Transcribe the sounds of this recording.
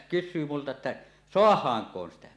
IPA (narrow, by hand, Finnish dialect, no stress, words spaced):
kysˑyː multɑ etːæ soɑhˑɑːŋkˑoːn sitæ